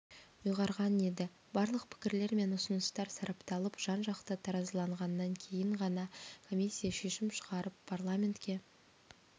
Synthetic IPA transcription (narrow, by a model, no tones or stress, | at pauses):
ʊjʁɑɾʁɑne̞d̪ɪ | bɑɾlˠəq̚pʰɪ̥kʲɪɾle̞ɾme̞nʊsənəst̪ɑɾsɑɾɑpt̪ɑlˠəpʒ̥ɑnʒɑqt̪ət̪ʰɑɾɑzlˠɑɴʁɑnːɑŋkʲʰe̞jɪɴʁɑnɑkʰo̞mʲisʲːijaʃe̞ʃɪmʃəʁɑɾəpʰːarlˠamʲe̞nt̪kʲe̞